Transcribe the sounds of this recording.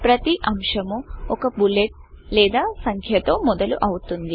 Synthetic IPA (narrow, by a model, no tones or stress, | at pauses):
pɾɐt̪iʔɐmʂɐmuɔkɐbuleʈ̚lɛːd̪aːsɐŋkʰjɐt̪o̞ːmɔd̪ɐlṵʔɐwut̪und̪i